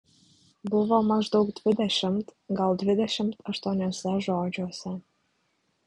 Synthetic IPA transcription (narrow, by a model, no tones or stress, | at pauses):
buβɑlmɑʒd̪okd̪ved̪æʃə̆mt̪ɡɑld̪βed̪æʃə̆mt̪ə̆ʃt̪onʲɑsɑʒoɑd͡ʑosɑ